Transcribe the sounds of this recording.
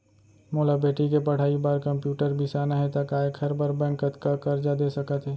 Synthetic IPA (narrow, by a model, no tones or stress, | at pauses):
moːlabeːʈikepɐɽ̤aːibaːɾkɐ̃mpjuːʈəɾbʱisaːnaɦɛt̪ɐkaːekʰɐɾbəɾbɛ̃ːŋkət̪kakɐɾd͡ʒad̪eːsɐkət̪ɦɛː